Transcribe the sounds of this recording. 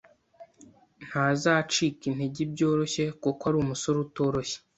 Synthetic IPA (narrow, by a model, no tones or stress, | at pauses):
n̥haːzaːt͡ʃiːkin̥heɟibɟo̞ːɾo̞çe̞kokwaɾuːmuso̞ɾuto̞ːɾoçe̥